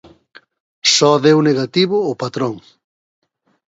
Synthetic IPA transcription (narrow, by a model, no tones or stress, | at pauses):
sɔðewneɣat̪iβʊːpat̪ɾoŋ